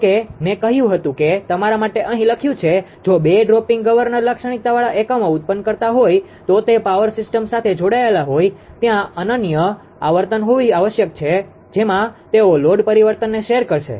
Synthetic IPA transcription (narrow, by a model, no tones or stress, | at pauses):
kemẽkəɦjũɦət̪ũket̪əmaɾamaʈeʔəɦĩləkʰjũt͡ʃʰed͡ʒobeɖɾopɪŋɡɡəʋəɾnəɾləkʃəɽ̃it̪aʋaɭaʔekəmoʊt̪̚pənkəɾt̪aɦoj | t̪ot̪epaʋəɾsɪsʈəmsat̪ʰed͡ʒoɽaelaɦoj | t̪jãənənjə | aʋəɾt̪ənɦoʋiaʋəʃjək̚t͡ʃʰe | d͡ʒemãt̪eoloɖpəɾiʋəɾt̪ənːeʃeɾkəɾʃḛ